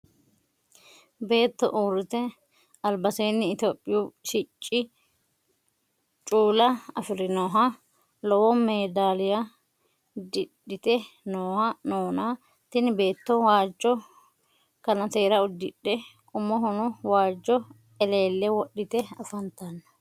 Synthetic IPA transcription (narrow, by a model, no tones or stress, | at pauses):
be̞ːt̪ːɔ̰ʔuːɾɪt̪ɛ | ɐlbɐseːnːɪːt̪oːpʼːɪjuʃɪt͡ʃʼːɪ | t͡ʃʼuːlɐɐfɪɾɪnoːɦɐ | lɔwɔmeːd̪aːlɪjɐ | d̪ɪɗːɪt̪ɛnoːhɐnoːna | t̪ɪnbe̞ːt̪ːɔwaːd͡ʒːɔ | kɐnɐt̪e̞ːɾɐʊd̪ɪɗːɛkʼʊmːɔɦʊnʊwaːd͡ʒːɔ | ɛle̞ːlːɛwɔɗːɪt̪ɛɐfɐnt̪ɐnːɐ̥